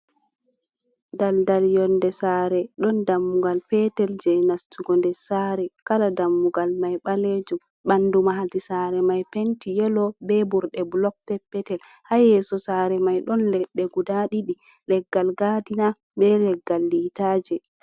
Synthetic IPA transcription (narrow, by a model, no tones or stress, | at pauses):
daldaljɔndɛsaːɾɛɗɔndamːuɡalpɛtɛld͡ʒɛnastuɡɔndɛsaɾɛkaladamːuɡalmajɓaled͡ʒum | ɓandumaɦadisaɾɛmajpentijɛlɔbɛbuɾɗɛblɔk̚pɛpːɛtɛl | hajɛsɔsaːɾɛmajɗɔnlɛɗːɛɡudaɗiɗi | lɛɡːalɡadina | bɛlɛɡːalːitad͡ʒɛ